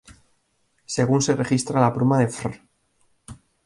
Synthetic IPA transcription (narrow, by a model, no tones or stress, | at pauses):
se̞ɣunsere̞xist̪ɾalapɾumaðefɾ